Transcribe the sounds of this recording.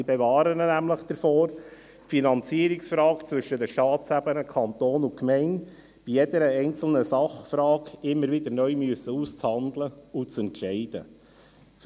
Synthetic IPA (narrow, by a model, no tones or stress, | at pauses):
ibevɑːɾənnæmləχd̪̥əɾfoːɾ | finɑnt͡siːəɾiksfɾɑːkt͡sʋʏʃːəd̪əʃtɑːt͡sæbənəkʰɑnt̪oːnʊkmɛɪnd | b̥ijɛd̥̪əɾəɛɪnt͡sl̩nəsɑχfɾɑːkɪmːəɾʋɪd̪əɾnœʏmyəsəuːst͡shɑnd̪ləʊt͡sɛntʃɛɪd̥̪ə